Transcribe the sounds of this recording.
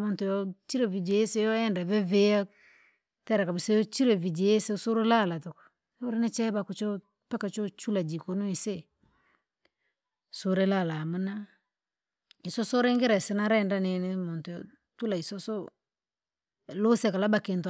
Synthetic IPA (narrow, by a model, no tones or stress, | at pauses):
mɔntʊjɔt͡ʃiɾevid͡ʒejesejoɛndavɛveja | tɛɾakabɪsejot͡ʃiɾevid͡ʒeesesoɾelalatʊk | ɛwʊɾɪnɪt͡ʃɛbakʊt͡ʃo | pakat͡ʃot͡ʃulad͡ʒikonoise | soɾelalaməna | isosoɾɪŋɡɪɾasɪnaɾɛndanɪnɪmɔntʊjɔ | tulaisoso | losekalabakɪnt